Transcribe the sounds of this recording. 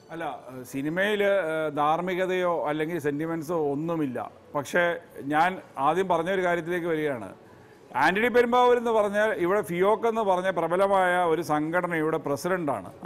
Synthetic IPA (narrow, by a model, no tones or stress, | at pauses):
ɐlːɐsinimɐjild̪ʱaːrmiɣɐðɐjo̞ːɐlːe̞ŋɡilse̞ndimensoonːumilːɐ̰ | pɐkʂe̞ɲaːnaːd̪jɐumpɐrɐɲːɐoɾukaːɾjɐt̪̬ːile̞ːkːɨʋɐɾuɣejaːɳɨ̰ | aːndiɽip̬ːeɾumbaːʋuɾenːɨpɐrɐɲːaːliʋiɽe̞fio̞ːkːe̞nːɨpɐrɐɲːɐlprɐbɐlɐmaːjɐo̞ɾusɐŋɡʱɐʈɐnɐjiuʋiɽe̞presidɐɳɖa̰ːɳɨ̰